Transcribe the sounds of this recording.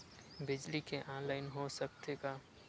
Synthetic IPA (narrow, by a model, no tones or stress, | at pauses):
bɪd͡ʒlikeʔãːnlaːɪnɦosək̚t̪eɡaː